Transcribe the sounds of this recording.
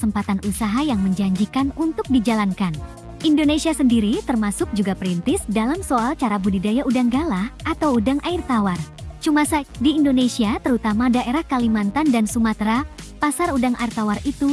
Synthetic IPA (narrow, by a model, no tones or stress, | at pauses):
səmpat̪anʔusaɦajaŋməɲd͡ʒaɲd͡ʒikanunt̪ʊk̚did͡ʒalankan | ʔindonesiasəndiɾit̪ərmasʊk̚d͡ʒuɡapəɾint̪ɪsdalamsoalt͡ʃaɾabudidajaʔudaŋɡalaʔat̪awudaŋʔaɪrt̪awart͡ʃumasadiːndonesiat̪əɾut̪amadaʔeɾahkalimant̪andansumat̪ɾapasarudaŋʔa̰irt̪awarit̪u